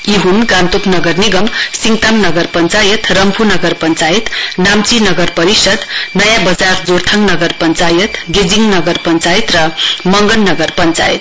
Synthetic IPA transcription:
iɦunɡant̪upnʌɡʌrniɡʌmsiŋt̪amnʌɡʌrpʌnt͡sajʌt̪rʌmpʰunʌɡʌrpʌnt͡sajit̪namt͡sinʌɡʌrpʌɾisʌd̪nʌjãbʌd͡zard͡zoɾt̪ʰaŋnʌɡʌrpʌnt͡sajʌt̪ɡed͡ziŋnʌɡʌrpʌnt͡sajit̪rʌmʌŋɡʌnːʌɡʌrpʌnt͡sa̰jḭt̪

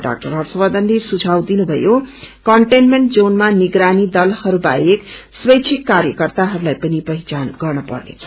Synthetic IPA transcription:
ɖa̰k̚ʈʌrɦʌrsʌbʌd̪ʌnd̪isud͡zʱawd̪inubʱʌ̰jokʌɳʈenmeɳʈ̚d͡zonmaniɡɾanid̪ʌlhʌɾuba̰jekswʌjt͡sʰikːaɾjʌkʌrt̪aɦʌɾulajpʌnipʌɦit͡sanɡʌrnʌpʌ̰rnḛt͡sʰʌ̥

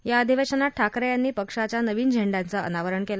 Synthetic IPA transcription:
jaəd̪ʱiʋeɕənaʈʰːakɾjanːiːpəkʂat͡ɕjanəʋiːnd͡ʑʱeɳɖãnt͡saə̰naʋəɾəɳkela

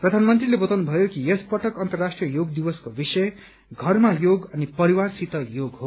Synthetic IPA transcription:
prʌd̪ʱanmʌnt̪rilebʌt̪awnubʱʌjokijespʌʈʌkʌnt̪ʌrːasʈrijʌjoɡd̪ibʌskobisʌj | ɡʱʌrmajoɡʌnipʌɾiwarsit̪ʌjoɡɦo

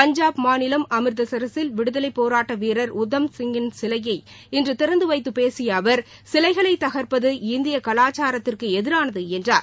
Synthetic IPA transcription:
pɐɲd͡ʒaːbmaːnɪlɐmɐmɪɾðɐsɐɾɐsɪlʋɪɽɯðɐlɐɪpːoːɾaːʈːɐʋiːɾɐɾʊd̪ːɐmsɪŋɡɪnsɪlɐjɐɪ | ɪndrɯt̪ɪɾɐnd̪ɯʋɐɪt̪ːɯpeːsɪjɐːʋɐɾ | sɪlɐɪɣɐɭɐɪt̪ːɐɣɐɾpɐðɯɪnd̪ɪjɐkɐlaːt͡ʃːaːɾɐt̪ːɪrkɯɛðɪɾaːnɐðɯɛndraːɾ

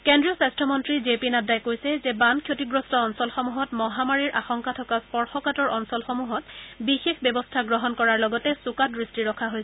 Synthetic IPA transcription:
kendɹijɔsastʰɔmɔntɹizepinadajkojsɛzɛbankʰjotiɡɹɔstɔɔnsɔlxɔmuɦɔtmɔɦamaɹiɹʔaxɔŋkatʰɔkaspɔɹxɔkatɔɹɔnsɔlxɔmuɦɔt̚bixexbɔbɔstʰaɡɹɔɦɔnkɔɹaɹlɔɡɔtɛsukatɹistiɹɔkʰaɦojsɛ

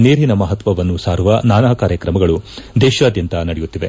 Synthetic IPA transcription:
neːɾinɐmɐɦɐt̪ʋɐʋɐnːusaːɾuʋɐnaːnaːkaːɾjɐkɾɐmɐɡɐɭud̪ɛːʃaːd̪jɐnt̪ɐnɐɽɛjut̪ːiʋe

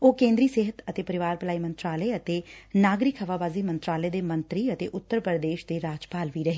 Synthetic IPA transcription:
oːkẽːnd̪ɾiːseːɦət̪ət̪eːpəɾɪʋaːɾpəlaːiːmə̃nt̪ɾaːləeət̪eːnaːɡɾɪkɦəʋaːbaːziːmə̃nt̪ɾaːləed̪eːmə̃nt̪ɾiːət̪eːʔʊt̪ːəɾpəɾd̪eːʃd̪eːɾaːd͡ʒpaːlʋiːɾɐɦeː

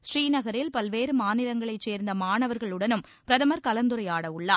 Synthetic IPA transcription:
sɾiːnɐɣɐɾɪlpɐlʋeːɾɯmaːnɪlɐŋɡɐɭɐɪt͡ʃːeːɾnd̪ɐmaːɳɐʋɐɾɣɐɭɯɽɐnɯm | pɪɾɐðɐmɐɾkɐlɐnd̪ɯɾɐjaːɽɐʋɯɭːaː

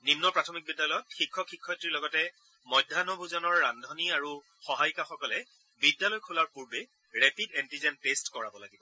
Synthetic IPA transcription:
ninːɔpɹatʰɔmik̚bidjalɔjɔtxikʰːɔxʰikʰːɔjtɹilɔɡɔtɛ | mɔjdʱːanɔbʱuzɔnɔɹːandʱɔniaɹu | xɔɦajkaxɔkɔlɛ | bidjalɔjkʰulaɹpuɹbe | ɹɛpidɛntizɛntestkɔɹabɔlaɡibɔ

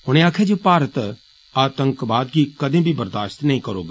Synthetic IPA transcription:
ɦʊɽ̃ẽaːkʰed͡ʒoːpaːɾət̪ | aːt̪ə̃ŋkbaːd̪ɡikɐd̪ʱẽbʱibəɾd̪aːʃt̪nɐɦĩkɐɾo̰ːɡ

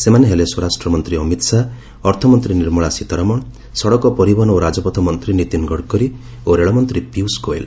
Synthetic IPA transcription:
semaneɦeleswɔɾasʈɾɔmɔnt̪ɾiɔmit̪sa | ɔɾt̪ʰɔmɔnt̪ɾiniɾmɔɭasit̪ɔɾamɔɳ | sɔɽɔkɔpɔɾibɔnoɾad͡ʒɔpɔt̪ʰɔmɔnt̪ɾinit̪inɡɔɽkɔɾi | oɾeɭɔmɔnt̪ɾipiuskoḛl

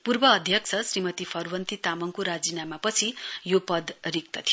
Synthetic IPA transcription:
purbʌːd̪ʱjʌk̚t͡sʰʌsrimʌt̪ipʰʌrwʌnt̪it̪amʌŋkoɾad͡zinamapʌt͡sʰijopʌd̪rik̚t̪ʌt̪ʰijo

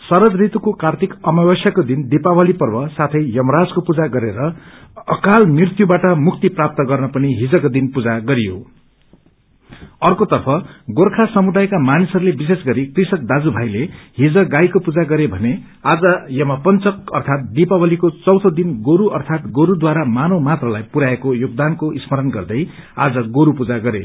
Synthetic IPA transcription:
sʌɾʌd͡zrit̪ukokart̪ʰikʌmabʌsjakod̪ind̪ipawʌlipʌrbʌsat̪ʰʌjjʌmʌɾad͡zkopud͡zaɡʌɾeɾʌʌkalmrirt̪jubaʈʌmukt̪iprap̚t̪ʌɡʌrnʌpʌniɦid͡zʌkod̪inpud͡zaɡʌɾijo̰ | ʌrkot̪ʌrpʰʌɡorkʰasʌmud̪ajkamanisʌɾulebisesɡʌɾikrisʌk̚d̪ad͡zubʱajleɦid͡zʌɡajkopud͡zaɡʌɾebʱʌne | ad͡zʌjʌmapʌnt͡sʌkʌrt̪ʰat̪̚d̪ipabʌlikot͡sʌwt̪ʰʌd̪inɡoɾuʔʌrt̪ʰat̪ɡoɾud̪waɾamanomat̪rʌlajpuɾaekojoɡ̚d̪ankoʔismʌɾʌnɡʌrd̪ʌj | ad͡zʌɡoɾupud͡zaɡʌɾe

